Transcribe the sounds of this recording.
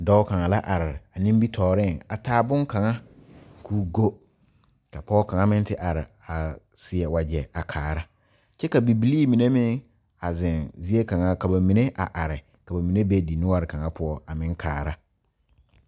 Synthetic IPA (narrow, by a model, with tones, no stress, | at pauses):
dɔ˦wkʰã˨ŋã˨la˦ʔa˨ɾɪ˨a˨nĩ˦m˦bi˦tʰɔː˨ɾɪ̃˦˨a˨tʰaː˦˨bʊ̃˦ŋ˦kʰã˨ŋã˦kʰuː˦ɡo˦ | kʰa˨pʰɔː˦kʰã˨ŋã˦mɪ̃˦n˦tʰɪ˦ʔa˨ɾɪ̰˨ | a˨sɪ˨ɛ˨wa˨d͡ʑɛ˨a˨kʰaː˨ɾa˦ | t͡ɕʰɛ˦ka˨bi˨bi˨liː˦˨mĩ˨nẽ˦mɪ̃˦ | a˨zɪ̃˨nzi˦e˦kʰã˨ŋã˨ka˨bɛ˨mĩ˨nẽ˦ʔa̰˨ʔa˨ɾɪ˨ | kʰa˨ba˨mĩ˨nẽ˦be˦˨di˨nʊ̃˦a˨ɾɪ˨kʰã˨ŋã˨pʰʊ˨˦ɔ˦a˨mɪ̃˦ŋ˦kʰa̰ː˨ɾa˦